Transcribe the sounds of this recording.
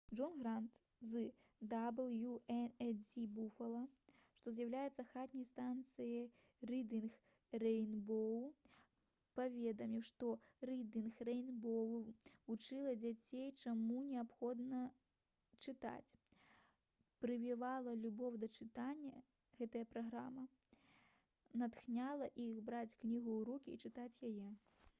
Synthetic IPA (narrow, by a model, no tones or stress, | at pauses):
ʐɔnɣɾant̪ | zɨ | d̪ablˠjuɛnɛdʲibufɐlˠɐʂt̪ɔzjɐwlʲajɛt̪sːɐxat̪nʲɐjst̪ant̪sɨjɐ | rɨd̪ɨnx | rɛjnbɔw | pavʲɛd̪ɐmʲiwʂt̪ɔrɨd̪ʲinxrɛjnbɔwvut͡ʂɨlˠɐd͡zʲat͡sʲejt͡ʂamunʲɛapxɔd̪nɐ | t͡ʂɨt̪a̰t͡sʲ | pɾɨvʲivalˠɐlʲubɔwd̪ɐt͡ʂɨt̪anʲːɐ | ɣɛt̪ɐjɐpɾaɣɾamɐ | nat̪xnʲalˠɐʔixbɾat͡sʲknʲiɣuwɾukʲiːt͡ʂɨt̪at͡sʲjajɛ